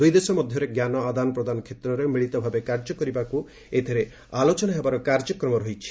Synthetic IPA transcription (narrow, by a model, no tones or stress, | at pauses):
d̪ujd̪esɔmɔd̪ʱjɔɾeɡjanɔad̪anɔpɾɔd̪anɔkʰet̪ɾɔɾemiɭit̪ɔbʱabekaɾd͡ʒɔkɔɾibaku | et̪ʰiɾe | alot͡ʃɔnaɦebaɾɔkaɾd͡ʒɔkɾɔmɔɾɔɦit͡ʃʰi̥